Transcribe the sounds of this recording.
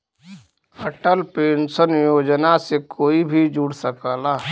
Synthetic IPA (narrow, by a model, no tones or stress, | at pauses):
əʈəlpeːnsənjoːd͡ʒnasekoːibʱid͡ʒuːɽsəkaːlaː